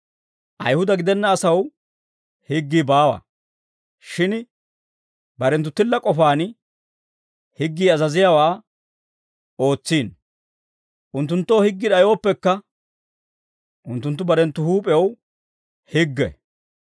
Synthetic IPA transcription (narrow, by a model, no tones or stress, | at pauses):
ʔɐ̰jhʊd̪ɐɡɪd̪ɛnːɐːsɐw | hɪɡːiːbaːwa̰ | ʃɪn | bɐɾɛnt̪̬ːʊt̪ːɪlːɐkʼɔfaːn | hɪɡːiːɐzɐzɪjaːwaː | o̞ːt͡sːiːn | ʔʊnt̪ːʊnt̪ːoːhɪɡːɪᶑ̪ɐjo̞ːpːɛkːɐ | ʔʊnt̪ːʊnt̪ːʊbɐɾɛnt̪ːʊhuːpʼɛw | hɪɡːɛ̰